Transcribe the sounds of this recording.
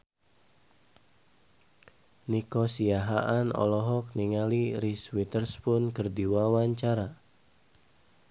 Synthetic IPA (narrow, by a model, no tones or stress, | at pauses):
nikɔsiaɦaʔanɔ̰lɔɦɔk̚niŋaliɾiswit̪ərspʊnkərdiwawaɲt͡ʃaɾa